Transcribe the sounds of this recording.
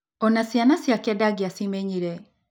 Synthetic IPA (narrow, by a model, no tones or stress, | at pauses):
ɔnasjanasjakɛdaɡiasimeɲiɾɛ